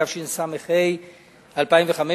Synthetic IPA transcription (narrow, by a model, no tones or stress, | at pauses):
avʃinsameχej | alpaimveχame